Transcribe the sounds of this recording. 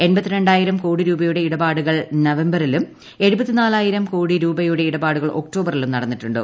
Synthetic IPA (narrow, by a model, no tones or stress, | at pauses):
e̞nbɐt̪ːiɾeɳɖaːjiɾɐmkoːɽiɾuːbɐjuɽe̞iɽɐbaːɽuɣɐɭnɐʋembɐrilum | e̞ɻubɐt̪ːinaːlaːjiɾɐmkoːɽiɾuːbɐjuɽe̞iɽɐbaːɽuɣɐɭʔo̞̰kʈo̞ːbɐrilumnɐɽɐnːiʈːuɳɖɨ̰